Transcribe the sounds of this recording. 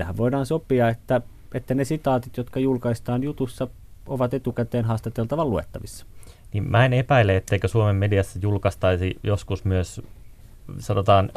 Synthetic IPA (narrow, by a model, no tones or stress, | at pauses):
æhæʋʋoidɑːnsopːˑiɑet̪ːæ | et̪ːænesit̪ɑːt̪it̪jot̪kɑjulkɑist̪ɑːnjut̪usːɑ | oʋɑt̪et̪ukæt̪eːnɦɑːst̪et̪elt̪ɑʋɑluḛt̪ːɑʋisːɑ̥ | nimmæenepæileet̪ːeikøsuomemːediɑsːɑjulkɑst̪ɑisijoskusmyøs | sɑnot̪ɑːn